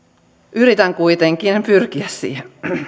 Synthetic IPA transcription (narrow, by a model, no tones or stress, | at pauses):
ʔyɾit̪æŋkujt̪eŋk̟inpyrk̟iæssḭːhen